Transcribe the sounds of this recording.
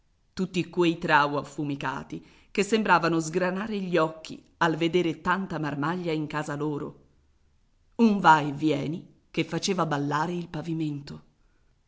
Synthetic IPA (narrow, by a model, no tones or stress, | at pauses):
t̪ut̪ːikwejt̪ɾawafːumika̰ːt̪i | kesːembɾaːvanozɡɾanaːɾeʎːɔkːḭ | alved̪eːɾet̪ant̪amarmaʎːaiŋkaːzaloːɾo̰ | uɱvaevjɛːni | kefːat͡ʃeːvabalːaːɾeilpaviment̪o